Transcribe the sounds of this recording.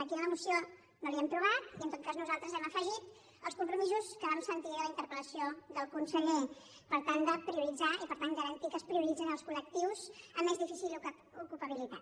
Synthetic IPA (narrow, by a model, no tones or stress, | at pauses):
əkiələmusijo | noβiɛmt̪ɾuβat̪iənt̪ot̪̚kaznuzalˠt̪ɾəzɛməfəʒit̪ | əlˠskumpɾumizuskəβamsənt̪iələint̪əɾpələsioðəlˠkunsəʎe | pəɾt̪and̪əpɾiuɾid͡zaipəɾt̪anɡəɾənt̪ikəːspɾiuɾid͡zinəlˠskulək̚t̪iwzəmːezðifisil | ukupəβ̞ilit̪at̪